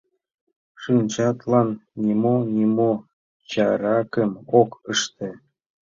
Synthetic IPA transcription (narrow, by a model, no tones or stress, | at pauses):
ʂɯnt͡ɕɑt̪lˠɑnːʲimonʲimo | t͡ɕɑɾɑkə̆mokəʃt̪ĕ